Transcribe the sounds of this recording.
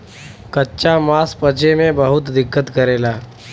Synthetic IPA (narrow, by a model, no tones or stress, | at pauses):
kətːɕamaspət͡ɕemẽbəɦut̪d̪ikːət̪kəɾela